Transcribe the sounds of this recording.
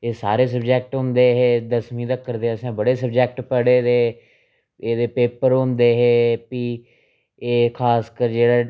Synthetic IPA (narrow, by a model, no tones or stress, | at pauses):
eːsaːɾeːsəbd͡ʒɛːk̚ʈɦʊ̃nd̪eːɦeːd̪əsmĩːd̪əkːəɾd̪eːəsãːbəɽeːsəbd͡ʒɛːk̚ʈpəɽeːd̪eː | eːd̪eːpeːpəɾɦʊ̃nd̪eːɦeːpiː | eːkʰaːskəɾd͡ʒeːɽaː